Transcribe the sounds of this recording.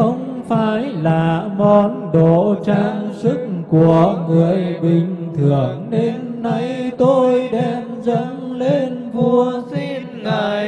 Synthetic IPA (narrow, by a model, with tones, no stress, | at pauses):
xə˧wŋ͡m | faː˧˩˦jlaː˨˩mɔ˧˦nɗo˧˨t͡ɕaː˧ŋsɨ˦˥k̚ku˨˩əŋɨ˨˩əjɓï˨˩ŋ̟t̪ʰɨ˨˩əŋne˧mna˧jt̪o˧jɗɛ˧mzə˧˥ŋle˧nvu˧əsi˧nːa˨˩j